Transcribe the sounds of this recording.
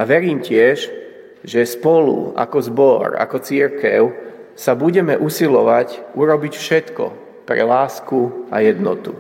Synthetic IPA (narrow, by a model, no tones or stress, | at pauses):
aʋɛɾiːmcɪɛʒ | ʒɛspɔlṵa̰kɔzbɔɾa̰kɔt͡siɾkɛʊsabuɟɛmɛʔusilɔʋacuɾɔbicfʃɛt̪kɔ̰ | pɾɛ̰laːskua̰jɛd̪nɔ̰t̪u